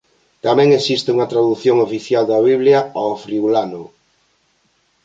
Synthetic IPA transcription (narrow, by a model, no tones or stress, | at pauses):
t̪amɛ̃ŋesist̪ɪuŋɐt̪ɾaðuθjoŋofiθjald̪ɐβ̞iβljɐofɾiulanʊ